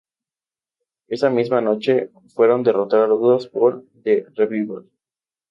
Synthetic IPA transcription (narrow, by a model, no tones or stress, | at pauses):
e̞samizmano̞t͡ʃe̞ | fwe̞ɾo̞nd̪erot̪aaɾuðospoɾðereβiβol